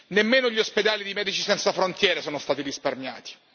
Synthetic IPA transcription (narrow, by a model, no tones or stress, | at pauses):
nemːeːnoʎiosped̪aːlid̪imɛːd̪it͡ʃisɛnt̪safɾont̪jɛːɾesoːnost̪aːt̪iɾisparmja̰ːt̪i̥